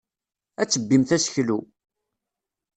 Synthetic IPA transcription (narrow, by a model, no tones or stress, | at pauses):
æt͡sːəbːimθæsə̥çlu